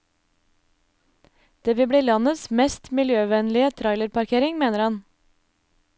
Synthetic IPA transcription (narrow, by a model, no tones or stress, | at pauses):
d̪̥eːʋɪbɽiːlɑnəsmɛst̪mɪljøːʋɛnlɪət̪ʰɾɑɪləɾpʰɑɾkʰeːɾɪŋmeːnəɾhɑn